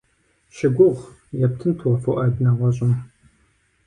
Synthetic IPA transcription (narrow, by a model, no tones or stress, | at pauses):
ʃɪɡʷʊʁʷ | jɛptʰɨntʰuwɐfɐwʔaːdnaːʁʷɔɕʼɪm